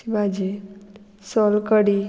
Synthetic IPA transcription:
ibad͡ʒe | sɔlkəɽi

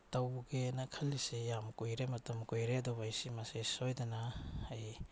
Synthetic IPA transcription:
tɐwɡenɐkʰɐlːisejamkojɾemɐtɐmkojɾedobajsimɐsesojdɐnɐaj

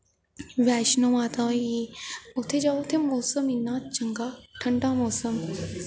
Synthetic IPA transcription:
ʋæɕnomat̪aiot̪ʰed͡ʑaʋot̪ʰemosəminːaːt̪̚t͡ɕəŋɡaʈʰəɳɖamosəm

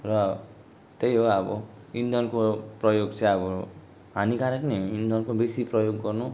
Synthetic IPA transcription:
rʌ | t̪ejɦoʌbʌ | ind̪ʱʌnkoprʌjoɡt͡saĩʌbʌ | ɦanikaɾekniind̪ʱʌnkobesiprʌjoɡːʌrnu

